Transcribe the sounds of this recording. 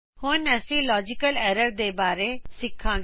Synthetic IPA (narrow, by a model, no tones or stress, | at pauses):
hʊnɐsĩlɔːd͡ʒɪkəlɛːɾəɾd̪ebaːɾesɪkʰːãː